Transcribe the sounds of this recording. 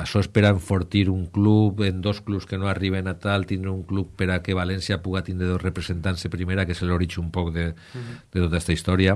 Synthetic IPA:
aʃɔespeɾaeɱfoɾt̪iɾuŋklupend̪osklupskenoariβ̞enat̪alt̪ind̪ɾeuŋklupːeɾakeβ̞alensjapuɣat̪ind̪ɾeðosrepɾesent̪ansepɾimeɾakeseloɾit͡ʃumpɔkðe | d̪̥et̪ot̪aest̪aist̪ɔɾja

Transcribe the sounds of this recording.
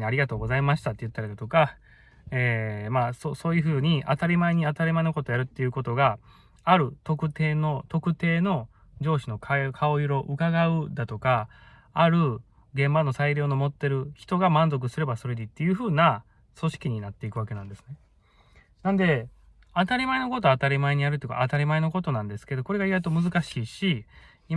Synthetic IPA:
aɾʲiɡat̪o̞ːɡo̞zaimaɕi̥t̪at̪ːejɯ̟t̪ːaɾid̪at̪o̞ka | eːmaːsoso̞ːjɯ̟ɸɯ̟ːɲ̟iʔat̪aɾʲimaiɲ̟iat̪aɾʲimainoko̞t̪ojaɾɯ̟t̪ːe̞jɯ̟ko̞t̪o̞ɡaː | ɾɯ̟t̪o̞kɯ̟t̪e̞ːno̞t̪o̞kɯ̟t̪e̞ːno̞ | d͡ʑo̞ːɕino̞kʰakʰao̞iɾo̞ʔɯkaɡaɯ̟d̪at̪o̞kaː | ɾɯ̟ | ɡẽ̞mbano̞saiɾʲo̞ːnomo̞t̪ːe̞ɾɯ̟çi̥t̪o̞ɡamãnzo̞k̬ɯ̟sɨɾe̞baso̞ɾed̪it̪ːe̞jɯ̟ːɸɯ̟ːna | so̞ɕi̥kʲiɲ̟inat̪ːe̞ikɯ̟βake̞nã̰nd̪esɨ̥ne | nãnd̪e̞ | at̪aɾʲimaenoko̞t̪̬o̞at̪aɾʲimaeɲ̟iaɾɯt̪eika̰ːt̪aɾʲimaeno̞ko̞t̪o̞nãnd̪e̞sɨ̥ke̞d̪o̞ko̞ɾe̞ɡaiɡait̪o̞mɯzɨkaɕiːɕi | i

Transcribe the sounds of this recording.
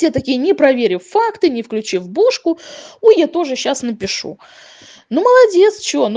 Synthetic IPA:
sʲet̪ɐkʲijənʲɪpɾɐvʲeɾʲʊfakt̪ɨnʲɪfklʲʉt͡ɕivbuʂkʊujat̪o̞ʐɨɕːasnəpʲɪʂṵ | numəlˠɐdʲe̞t̪st͡ɕɪon

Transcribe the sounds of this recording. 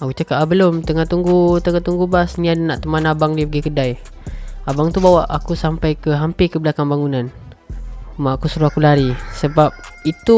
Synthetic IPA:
akut͡ʃakapabəlʊmt̪əŋat̪uŋɡut̪əŋat̪uŋɡubasniadnaʔt̪əmanabaŋdipəɡikədaj | abaŋt̪ubawaʔakusampajkəɦampɪkəbəlakanbaŋunan | maakusuɾuakulaɾisəbap̚it̪u

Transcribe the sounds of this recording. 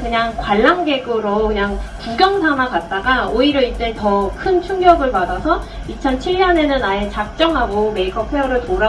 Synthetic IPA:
kɯɲaŋkwaɭːaŋɡe̞ɡɯɾokɯɲaŋpuɡjʌŋsʰamakat̚t͈aɡaoiɾjʌit͡ɕentʌkʰɯnt͡ɕʰuŋɡjʌɡɯɭpadasʰʌ | it͡ɕʰʌnt͡ɕʰiɭːɲʌne̞nɯnaet͡ɕak̚t͡ɕ͈ʌŋɦaɡome̞ikʌpʰeʌɾɯɭtoɾa

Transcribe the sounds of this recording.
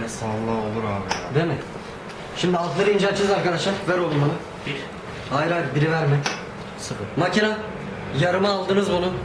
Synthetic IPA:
ɛsalˠːao̞lˠuɾaːbid̪emɛ | ʃimd̪ialˠk̪lˠaɾɯind͡ʒat͡ʃʰizaɾkad̪aʃˠaɾvæɾolˠunmanɯ | b̥iɾ | ajɾabiɾivæɾmɛ | sɯpɯmacʰina | jaɾɯmaːlˠd̪ɯnɯzbunu

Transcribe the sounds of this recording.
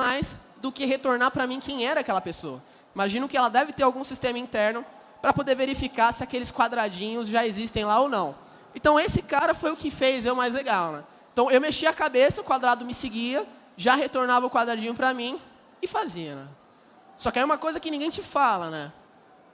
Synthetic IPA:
majz | d̪ʊkɪɦet̪oɾnapɾɐmĩkʰẽj̃ɛɾɐakɛlɐpesoɐ̰ | imaʒĩnʊ̃kɪɛlɐd̪ɛvɪt̪eɾawɡũsist̪ẽmɐĩnt̪ɛɾnʊ | pɾɐpod̪eɾveɾifikasɪakelɪskwad̪ɾad͡ʒĩɲʊzʒaezist̪ẽj̃laownɐ̃w̃ | ẽt̪ɐ̃w̃esɪkaɾɐfojʊkɪfejzewmajzleɡawnɛ | ẽt̪ɐ̃w̃ewmeʃiɐkabesɐʊkwad̪ɾad̪ʊmɪsɪɡiɐ | ʒaɦet̪oɾnavɐʊkwad̪ɾad͡ʒĩɲʊpɾɐmĩ | ɪfaziɐnɛ̰ | sɔkɪɛũmɐkojzɐkɪnĩɡẽj̃t͡ʃɪfalɐnɛ

